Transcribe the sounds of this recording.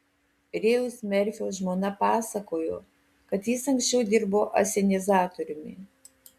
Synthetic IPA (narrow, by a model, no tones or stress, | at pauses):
ɾʲeːʊsmʲɛɾʲfʲoːʒmoːnɐpɑːsɐkoːjo̰ː | kɐt̪jɪsɐŋksʲt͡ʃʲɛʊd̪ʲɪɾboːʔɐ̰sʲɛnʲɪzɑːt̪ɔɾʲʊmʲɪ̰